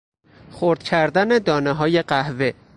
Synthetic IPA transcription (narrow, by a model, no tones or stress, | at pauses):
xoɾd̪̥cʰæɾd̪æne̞d̪ɒːneɦɒːje̞ɢæhve